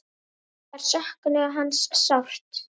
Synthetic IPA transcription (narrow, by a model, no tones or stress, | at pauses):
aɾ̥sahknɪɣaɦanːssawr̥t̪